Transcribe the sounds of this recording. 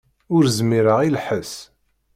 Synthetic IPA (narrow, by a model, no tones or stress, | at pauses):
ʊɾzmiɾəʁilħəs